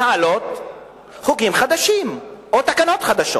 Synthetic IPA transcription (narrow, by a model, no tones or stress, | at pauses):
aalot̪ | χukimχad̪aʃimʔot̪akano̞t̪χad̪aʃo